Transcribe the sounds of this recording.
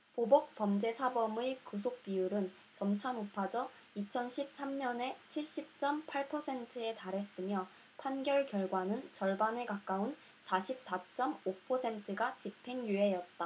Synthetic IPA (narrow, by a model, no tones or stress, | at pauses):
pobʌk̚p͈ʌmd͡ʑe̞sʰabʌmɯjkus̬ʰok̚p͈iuɾɯn | t͡ɕʌmt͡ɕʰanopʰad͡ʑʌ | it͡ɕʰʌnɕʰip̚s͈amɲʌne̞t͡ɕʰiɭɕ͈ip̚t͡ɕ͈ʌmpʰaɭpʰʌsʰe̞ntʰɯe̞taɾɦe̞s͈ɯmjʌ | pʰanɡjʌɭkjʌɭɡwanɯnt͡ɕʌɭbane̞kak͈aun | sʰaɕʰip̚s͈at͡ɕ͈ʌmopʰʌsʰe̞ntʰɯɡat͡ɕipʰe̞ŋjue̞jʌt̚t͈a